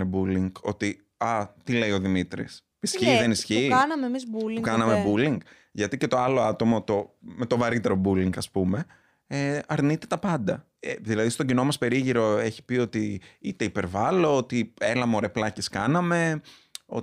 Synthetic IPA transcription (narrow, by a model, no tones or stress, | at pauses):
ebuliŋɡo̞t̪i | ɐt̪ile̞io̞ðimit̪ɾḭs | isçiðenisçiːkɐnɐmemizbuliokɐnɐmebuliŋɡ | ʝɐt̪ice̞t̪o̞ɐlo̞ɐt̪o̞mot̪o̞me̞t̪o̞vɐɾit̪e̞ɾo̞buliŋɡɐspume̞ | eɐɾnit̪e̞t̪ɐpɐnd̪ɐ | eðilɐðist̪oɟinomɐspe̞ɾiʝiɾo̞e̞çi̥pio̞t̪iit̪e̞ipe̞ɾvɐlo̞ot̪ie̞lɐmoɾe̞plɐceskɐnɐme̞o̰